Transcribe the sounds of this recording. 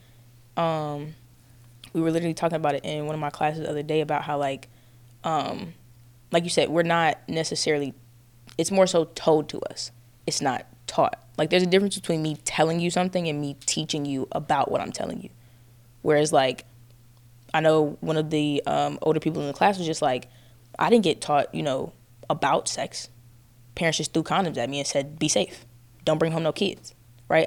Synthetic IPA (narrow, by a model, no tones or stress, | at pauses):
ʔʌ̃m | wiwə˞lɪɾə˞l̩ˠitʰɔkɪ̃ŋəbaʊɾɨɾʔɪ̃nwʌ̃nʌvmaɪkʰl̥æsɨzʌ̰ðə˞deɪɨbaʊt̚ɦaʊlaɪk | ʔʌ̃m | laɪk̬jɨsɛd̚wɪɹnət̚nɛsɨsɛɹl̩ˠi | ɨtsmɔɹsoʊtʰoʊlˠd̚tʰɨ̰ʌ̰s | ɨtsnə̰tʰɔ̰t̚laɪk̚ðə˞zɨdɪfɹɨ̃nsbɨtʰw̥ĩnmitʰɛlˠɪ̃ŋjɨsʌ̃mθɪ̃ŋɨ̃nmitʰit͡ʃɪ̃ŋjɨʔə̰baʊʔwʌ̰ɾãɪ̃mtʰɛ̰lˠɪ̰̃ŋjʉ̰ | wʔə˞ɨzlaɪk | aɪnoʊwʌ̃nʌvðiʌ̰̃mʔo̰ʊlˠdə˞pʰipl̩ˠə̃n̩ðəkʰl̥æswʌzd͡ʒʌstˡlaɪk | ʔa̰ɪɾɪdⁿn̩ɡɛtʰɔt̚jɨ̰noʊ | əbaʊtsɛks | pʰɛɹɨ̃nsʃɨsθukʰɑ̃nɨ̃mzɨt̚miɨ̃nsɛd̚biseɪf | d̥õʊ̃nbɹɪ̃ŋɦõmnoʊkʰɪ̰d̥z̥ | ɹʔa̰ɪt̚